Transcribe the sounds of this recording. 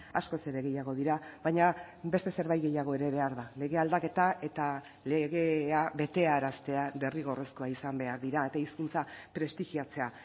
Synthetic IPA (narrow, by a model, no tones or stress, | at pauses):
asko̞se̞ɾe̞ɣ̞e̞jaɣ̞o̞ðiɾaβajɲa | be̞st̪e̞se̞ɾβajɣe̞jaɣ̞o̞e̞ɾe̞β̞e̞aɾðale̞ɣ̞e̞ald̪ake̞t̪aʔe̞t̪a | le̞ɣ̞e̞abe̞t̪e̞aːɾast̪e̞ad̪e̞riɣ̞o̞resko̞aisambe̞aɾðiɾaet̪aiskunt͡sapɾe̞st̪iɣiat͡se̞a